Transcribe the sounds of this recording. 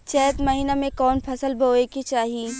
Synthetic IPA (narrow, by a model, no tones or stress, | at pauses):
t͡ʃɛːt̪mɐɦiːnamẽkɔːnpʰɐsəlbʱoːekit͡ʃaːɦiiː